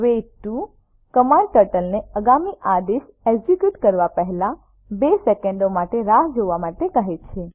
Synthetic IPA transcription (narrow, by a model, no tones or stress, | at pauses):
ʋeʈːu | kəmaɳɖ̚ʈəʈəlneəɡamiʔad̪es | ed͡ʒikjuʈkəɾʋapəɦlã | besekeɳɖomaʈeɾaɦd͡ʒoʋamaʈekəɦet͡ʃʰe